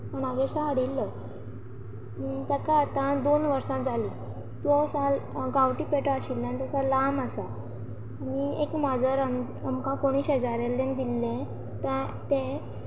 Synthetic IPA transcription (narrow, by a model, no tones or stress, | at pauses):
məɳaɡesãəɽilːə | t̪akãːt̪ãd̪onʋəɾsãt̪̚d͡zʱaliː | t̪ʋɔsaɡawʈipeʈəaɕilːanit̪əsãlaməsaː | niekmad͡zəɾan | əmkãkoɽ̃iːsɦɛd͡zaɾelːẽnd̪ilːẽ | t̪et̪ẽ